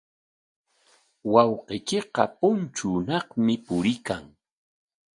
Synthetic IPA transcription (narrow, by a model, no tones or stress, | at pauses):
wɑwqekeqɑpʊnt͡ʃʊːnɑχmɪpʊɾɪkaŋ